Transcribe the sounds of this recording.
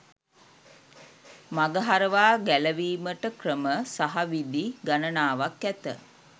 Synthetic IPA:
maɡəɦaɾəʋaːɡæləʋiːməʈəkrəməsaɦaʋid̪iɡanənaːʋakːæt̪ə̰

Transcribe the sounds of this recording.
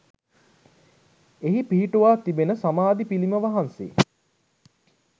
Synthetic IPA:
eɦipiɦiʈuʋaːt̪ibenəsamaːd̪ipiliməʋaɦansḛː

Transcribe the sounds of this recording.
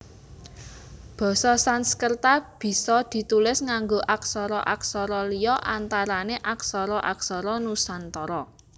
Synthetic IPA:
b̥ɔ̤sɔsansə̥kərt̪ab̥i̤sɔd̪̥i̤t̪ulɪsŋaŋɡoʔaksɔɾɔʔaksɔɾɔlijɔʔant̪aɾaneʔaksɔɾɔʔaksɔɾɔnusant̪ɔɾɔ

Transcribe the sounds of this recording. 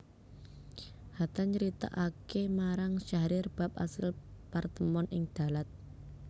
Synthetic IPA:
hat̪aɲəɾit̪a̰ʔakemaɾaŋʃaɾɪrb̥a̤p̚a̰sɪlpart̪əmɔnɪŋd̪̥ä̤lat̪̚

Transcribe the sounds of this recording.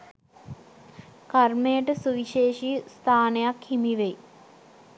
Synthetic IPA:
kɐrmejəʈəsuʋiʃeːʃist̪ʰaːnejakhimiʋej

